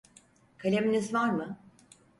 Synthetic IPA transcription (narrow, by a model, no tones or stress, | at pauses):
kʰalʲeminʲizvaɾmɯ